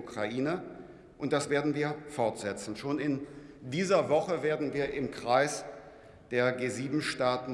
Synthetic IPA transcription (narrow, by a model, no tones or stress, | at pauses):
ukʁ̥aʔiːnə | ʔʊnt̚d̥asv̥eːɐdn̩viːɐfɔɐtz̥ɛt͡sn̩ʃoːnɪndiːzɐvɔχəveːɐdn̩viːɐʔɪmkʁ̥aɪs | d̥eːɐɡeːziːbm̩ʃtaːtn̩